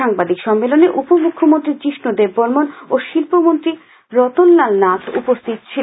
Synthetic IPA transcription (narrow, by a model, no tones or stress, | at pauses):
aŋbad̪ikʃɔmːeloneʔupomukʰːomont̪ɾiɾt͡ɕiʃnod̪ebːoɾmonoʃilpomont̪ɾi | ɾɔt̪olːalnat̪ʰṵpost̪ʰit̪t͡ɕʰi